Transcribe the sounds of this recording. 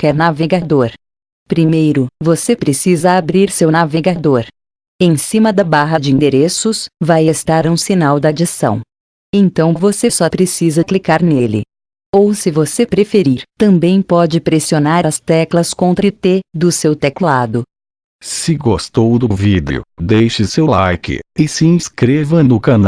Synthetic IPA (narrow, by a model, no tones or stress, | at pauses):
kɛɾnaveɡad̪oɾ | pɾimejɾʊvosepɾesizɐabɾiɾsewnaveɡad̪oɾ | ẽj̃sĩmɐd̪ɐbaɦɐd͡ʒɪĩnd̪eɾesʊsvajest̪aɾũsinawd̪ad͡ʒisɐ̰̃w̃ | ẽt̪ɐ̃w̃vosesɔpɾesizɐklikaɾnelɪ̰ | owsɪvosepɾefeɾiɾt̪ɐ̃mbẽj̃pɔd͡ʒɪpɾesionaɾɐst̪ɛklɐskõnt̪ɾɐɪt̪ed̪ʊsewt̪ɛklad̪ʊ | sɪɡost̪owd̪ʊvid̪̰ʊ̰d̪ejʃɪsewlajkɪ̰ɪsɪĩskɾevɐnʊkɐn